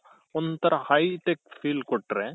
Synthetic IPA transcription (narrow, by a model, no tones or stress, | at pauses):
ɔnt̪ɐɾɐhɐjʈekpʰiːlkɔʈːɾe